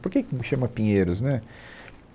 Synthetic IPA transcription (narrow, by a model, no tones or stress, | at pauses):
poɾkekʃɐ̃mɐpĩɲeɾʊznɛ